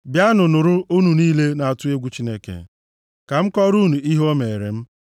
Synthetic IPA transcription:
bja˦nʊ˨nʊ˨ɾʊ˦ʔu˦nu˨niː˦le˦na˨a˨tʊ˦e˦ɡʷu˦t͡ʃi˦ne˦kḛ˨ | ka˨m̩˦kɔ˦ɾu˦nu˨i˦ɦo˦me˨ɾḛ˨m̩˦

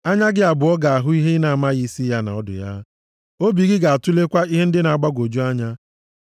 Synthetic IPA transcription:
a˦ɲa˦ɡɪ˦a˨bʊ˨ɔ˦ɡa˨a˨ɦʊ˦i˦ɦe˦na˨a˨ma˦ɣi˦si˦ja˦na̰˨ɔ˦dʊ̰˨ja̰˦ | o˦bi˨ɡɪ˦ɡa˨a˨tu˦le˦kʷa˦i˦ɦe˦n̩˦dɪ˦na˨a˨ɡ͡ba˦ɡʷo˨d͡ʒu˦a˦ɲa˦

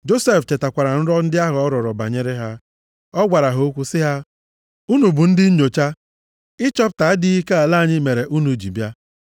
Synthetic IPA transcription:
d͡ʒo˦se˦ft͡ʃe˨ta˨kʷa˨ɾa˨n̩˦ɾɔ˦n̩˦dɪ˦a˦ɦʊ˨ɔ˦ɾɔ˨ɾɔ˨ba˨ɲe˦ɾɪ˦ɦa˦ | ɔ˦ɡʷa˨ɾa˨ɦo˨˦o˦kʷu˦sɪ˦ɦa˦ | u˦nu˨bu˨n̩˦dɪ˦ɲo˨t͡ʃa˦ | ɪ˦t͡ʃɔ˦p̚ta˨˦dɪ˦i˦ke˦a˨laː˦˨ɲɪ˦me˨ɾe˨ʔu˦nu˨d͡ʒi˨bja˦

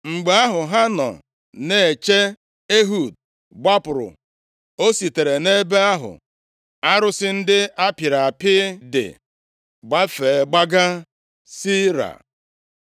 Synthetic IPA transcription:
ŋ͡m̩˨ɡ͡be˦a˦ɦʊ˨ɦa˦nɔ̰˨ | ne˨e˨t͡ʃe˦ | e˦ɦu˨d | ba˦pʊ˨ɾʊ̰˨ | o˦si˨te˨ɾe˨ne˦be˦a˦ɦʊ̰˨ | a˦ɾʊ˦sɪ˦n̩˦dɪ˦a˦pi˨ɾa˨pɪ˦dɪ̰˨ | ɡ͡ba˦fe˨ɡ͡ba˦ɡa˦ | si˦ɾa̰˨

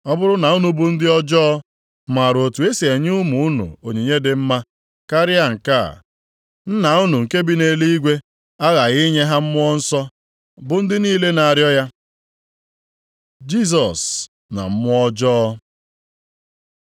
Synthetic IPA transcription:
ɔ˦bʊ˦ɾʊ˦na˨u˦nu˨bʊ˨n̩˦dɪ˦ɔ˦d͡ʒɔ˦ɔ˦ | ma˨ɾo˨tu˨e˦si˨e˨ɲɪ˦ʊ˦mʊ˨ʊ˦nʊ̰˨o˨ɲe˨ɲe˦dɪ˨m̩˦ma˦ | ka˦ɾɪ˦a˦ŋ̩˨ka̰˦˨ | n̩˦na˨ʊ˦nu˨ŋ̩˨ke˦bi˦ne˨li˦i˦ɡʷe˦ | a˦ɣa˨ɣi˦ɲe˦ɦa˦m̩˦mʊ˦ɔ˦n̩˦sɔ˦ | bʊ˨n̩˦dɪ˦niː˦le˦na˨ɾjɔ˦ja˦ | d͡ʒi˦s̬ɔ˨s | na̰˨m̩˦mʊ˦ɔ˦d͡ʒɔː˦

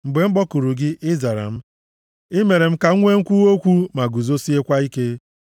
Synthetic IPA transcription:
m̩˨ɡ͡be˨m̩˦ɡ͡bɔ˦ku˨ɾu˨ɡɪ˦ʔɪ˦za˨ɾa̰˨m̩˦ | ɪ˦me˨ɾe˨m̩˦ka˨˦ŋʷe˦ŋ̩˦kʷu˦o˦kʷu˦ma˨ɡu˨zo˦si˦e˦kʷa˦i˦ke˦

